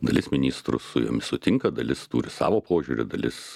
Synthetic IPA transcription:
d̪ɐlʲɪsmʲɪnʲiːst̪ɾʊ̰sʊjo̰ːmʲɪssʊt̪ʲɪŋkɐd̪ɐlʲɪst̪uːɾʲɪsɑ̰ːʋoːpoːʒʲuːɾʲɪ̰d̪ɐlʲɪ̰s

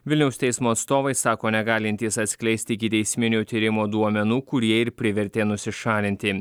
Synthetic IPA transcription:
ʋʲɪlʲnʲɛʊst̪ʲɛɪsmoːɐt̪st̪oːʋɐɪsɑːkoːnʲɛɡɑːlʲɪnʲt̪ʲiɛsɐt̪ʲsʲkʲlʲɛɪsʲt̪ʲɪɪkʲɪt̪ʲɛɪsʲmʲɪnʲuːt̪ʲiːɾʲɪmoːd̪uɔmʲɛnuːkʊɾʲiɛɪɾpʲɾʲɪʋʲɛɾʲt̪ʲeːnʊsʲɪʃɑːlʲɪnʲt̪ʲɪ

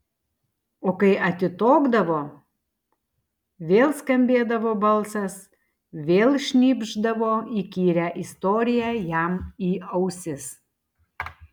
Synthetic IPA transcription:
oːkɐɪʔɐt̪ʲɪt̪oːɡd̪ɐʋoː | ʋʲeːlˠskɐmʲbʲeːd̪ɐʋoːbɐlˠsɐs | ʋʲeːlˠʃʲnʲiːbʲʒd̪ɐʋoːiːkʲiːɾʲæʔɪst̪oːɾʲɪjæːjæmiːɐʊsʲɪs

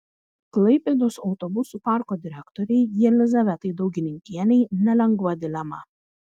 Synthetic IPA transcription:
klˠɐɪpʲed̪osɒʊt̪ɔbʊsupɑˑɾkoːd̪ʲɪɾʲɛkt̪ɔɾʲɛɪjɛlʲɪzɐʋʲɛt̪ɐɪd̪ɒʊɡʲɪnʲɪŋʲkʲiɛnʲɛɪnʲɛlʲɛŋɡʋɐd̪ʲɪlʲɛmɐ̰

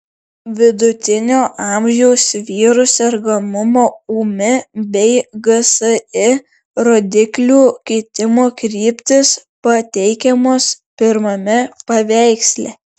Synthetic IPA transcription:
ʋʲɪd̪ʊt̪ʲɪnʲoːʔɑˑmʲʒʲɛʊsʲʋʲiːɾʊsʲɛɾɡɐmʊmoːuːmʲɪbʲɛɪɡɐsəɪ | ɾoːd̪ʲɪklʲuːkʲɛɪt̪ʲɪmoːkɾʲiːpʲt̪ʲɪspɐt̪ʲɛɪkʲɛmoːs | pʲɪɾmɐmʲɛpɐʋʲæˑɪksʲlʲɛ

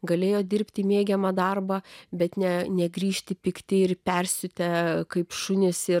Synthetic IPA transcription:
ɡɐlʲeːjoːd̪ʲɪrʲpʲt̪ʲiːmʲeːɡʲɛmɑd̪ɐrbɐbʲɛt̪nʲɛnʲɛɡɾʲiːʃʲt̪ʲɪpʲɪkt̪ʲɪɪrpʲɛrʲsʲʊt̪ʲɛkɐɪpʃʊnʲɪsɪ

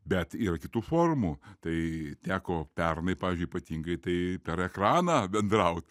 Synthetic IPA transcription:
bʲɛt̪iːɾɐkʲɪt̪uːfoːrmuːt̪ɐɪt̪ʲæːkoːpʲɛrnɐɪpɑːʋʲiːzʲd͡ʒʲʊipɐt̪ʲiŋɡɐɪt̪ɐɪpʲɛɾɛkrɑːnɑːbʲɛnd̪ɾɐʊt̪ʲ

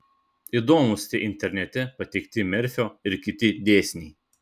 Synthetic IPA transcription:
id̪oːmʊst̪ʲɪʔɪnʲt̪ʲɛɾʲnʲɛt̪ʲɛpɐt̪ʲɛɪkʲt̪ʲɪmʲɛɾʲfʲoːɪɾkʲɪt̪ʲɪd̪ʲeːsʲnʲiː

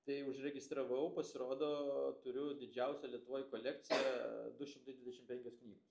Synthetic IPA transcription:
t̪ɐɪʊʃɾʲɛɡʲɪst̪ɾɐʋɐʊpɐsʲɪɾoːd̪oːt̪ʊɾʲʊd̪ʲɪd͡ʒʲɛʊsʲɛlʲiɛt̪ʊʋoːjkoːlʲɛk̚t̪sʲɪjɛd̪ʊʃʲɪmt̪ɐɪd̪ʋʲɪd̪ʲɛʃʲɪmpʲɛŋʲkʲoːsknʲiːɡos

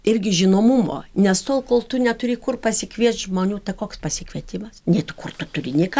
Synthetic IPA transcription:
ɪrʲɡʲɪʒʲɪnoːmʊmo̰ːnʲɛst̪oːlˠkoːlˠt̪ʊnʲɛt̪ʊɾʲɪkʊrpɐsʲɪkʋʲiɛsʒmoːnʲuːt̪ɐkoːkspɐsʲɪkʋʲiɛt̪ʲɪmɐsnʲɛɪt̪ʊkʊrt̪ʊt̪ʊrʲɪnʲɪkɐ

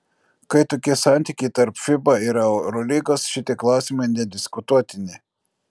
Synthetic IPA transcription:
kɐɪt̪oːkʲɪsɑˑnʲt̪ʲiːˑkʲɛɪt̪ɐɾpfʲɪbɐiɾɐʊɾɔlʲɪɡosʃʲɪt̪ʲeklˠɑˑʊsʲɪmɐɪnʲɛd̪ʲɪskʊt̪uɔt̪ʲɪnʲɪ

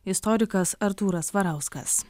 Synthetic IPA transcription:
ɪst̪ɔɾʲɪkɐsɐɾt̪uːɾɐsʋɐɾɑˑʊskɐ̰s

